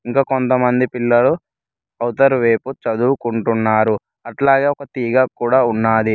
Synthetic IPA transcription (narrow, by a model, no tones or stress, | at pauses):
iŋkaːkont̪ɐmɐnd̪ipilːɐlu | ɐwt̪ɐɾʋeːput͡ʃɐd̪uːkuɳʈunːaːɾu | ɐʈlaːɡe̞ːɔkɐt̪iːɡaːkuːɽaːunːaːd̪i